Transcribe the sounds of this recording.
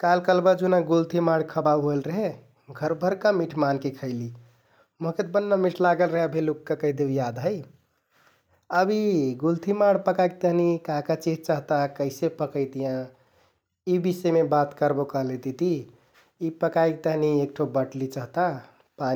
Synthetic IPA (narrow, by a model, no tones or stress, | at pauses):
kalkəlbəd͡ʒunaɡult̪imaɽkʰəbabɦoelɾəɦe | ɡʱəɾbʱəɾkamiʈʰmankekʰəɪli | moɦket̪bənːamiʈʰlaɡəlɾəɦebʱelukːakəid̪ejad̪ɦəj | əbiɡult̪ʰimaɽpəkajk̚t̪əɦnikakat͡ʃit̪̚t͡ʃəɦt̪akəɪsepəkəjt̪ijã | ibisemebat̪kəɾbokəɦlet̪it̪i | ipəkajk̚t̪əɦniek̚ʈʰobəʈlit͡ʃəɦt̪a | pa